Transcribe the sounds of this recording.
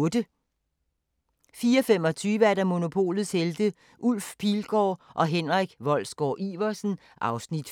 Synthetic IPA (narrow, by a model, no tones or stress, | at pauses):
d̥ə | fiːɒfem̰ɒ̽t͡sʰyːʋəæɐd̥ɑ̈mo̝no̝pʰo̝̰ːlð̩ˠsheld̥ə | ʔul̰fpʰiːlɡ̥ɒ̰ːʔɒ̽ɦenʁaɡ̥ʋɒ̽l̰sɡ̥ɒ̰ːʔiʋɐsn̩ | ʔɑ̈ʊsnid̥